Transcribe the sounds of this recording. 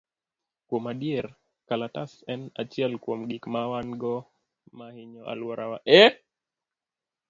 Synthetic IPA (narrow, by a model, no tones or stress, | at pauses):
kɔmaɗiɛɾ | kalatasɛnat͡ʃialikuam̩ɡikmawanɡɔ | mahiɲɔʔa̰lwaɾʔawa̰ʔɛ